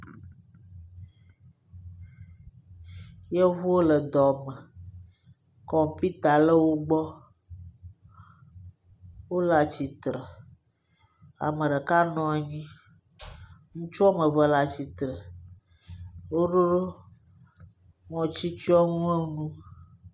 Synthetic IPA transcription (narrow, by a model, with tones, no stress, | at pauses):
je˦vu˦wo˦lə˨d̪ɔ˨mə˨ | kɔ˦˨pi˦t̪a˨lə˦wo˦ɡ͡bɔ˦ | wo˦la˨t͡ɕi˨t̪ɾə˨ | a̰˨mə̃˨ɖe˨ka˦nɔ̃˨˦a˨ɲĩ˦ | ŋũ˦t͡ʃu˦a˦mə˨və˨la˨t͡ɕi˨t̪ɾə˨ | wo˦ɖo˦ɖo˦ | ŋɔ̃˨t͡ɕi˦t͡ʃi˦ɔ˦ŋũ˦e˦nũ˦